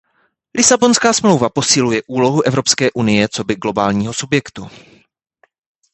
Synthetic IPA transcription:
lʔɪsabo̞nskaːsmlo̞wvapo̞sɪlujɛʔuːlo̞ɦuʔɛvɾo̞pskɛːʔunɪjɛt͡so̞bɪɡlo̞baːlɲiːɦo̞subjɛkt̪u

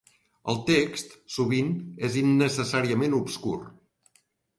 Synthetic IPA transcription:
ə̰lˠt̪ekst̪suβinezinːəsəsaɾiəmenupskṵr

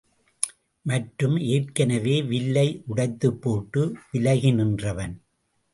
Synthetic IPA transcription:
mɐʈɾɯmeːʈkɐnɐʋeːʋɪlːɐɪʔʊɽɐɪt̪ːɯpːoːʈːɯʋɪlɐɣɪnɪndrɐʋɐn

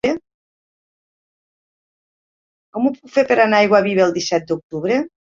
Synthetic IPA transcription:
e | kɔmupukfepeɾanaajɣwaβiβeːlˠd̪isɛt̪̚d̪uk̚t̪uβɾe

